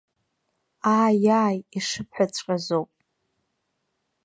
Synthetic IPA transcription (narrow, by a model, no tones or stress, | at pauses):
aːjaːjiʂɨpʰħʷᶣat͡ɕʷʰʼkʼazowpʼ